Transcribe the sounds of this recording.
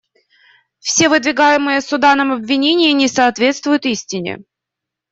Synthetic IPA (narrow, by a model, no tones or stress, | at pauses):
fsʲe̞vɨd̪vʲɪɡajɪmɨjəsʊd̪anəmɐbvʲɪnʲenʲɪjɪnʲɪsɐːt̪vʲe̞t̪st̪vʊjʊt̪isʲtʲɪnʲɪ̰